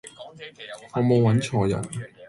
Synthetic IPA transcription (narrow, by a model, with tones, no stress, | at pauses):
ŋɔː˨˧mo˨˧wwɐ˨˥nt͡ʃʰɔː˨jɐ̰˨˩n